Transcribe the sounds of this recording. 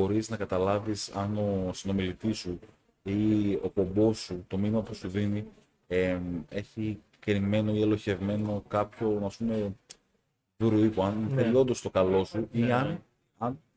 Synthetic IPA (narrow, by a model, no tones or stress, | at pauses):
o̞ɾiznɐkɐt̪ɐlɐvisɐno̞sino̞milit̪isu | io̞po̞mbo̞sut̪o̞minimɐpusuðini | ee̞çi | kɾime̞no̞ie̞lo̞çe̞vme̞no̞kɐpço̞ɐspume̞ | vuɾuipuɐnfelo̞nd̪ost̪o̞kɐlo̞suiɐn | ɐn